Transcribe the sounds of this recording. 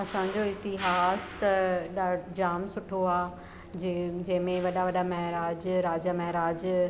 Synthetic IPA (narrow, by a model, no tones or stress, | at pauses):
ɐsãɲd͡ʑoɪt̪ɪɦaːst̪ɐɗad͡ʑaːmsʊʈʰoaː | d͡ʑɐ̃ɦɪ̃mẽʋɐɗaʋɐɗamɐɦɾaːd͡ʑɾaːd͡ʑamɐɦɾaːd͡ʑ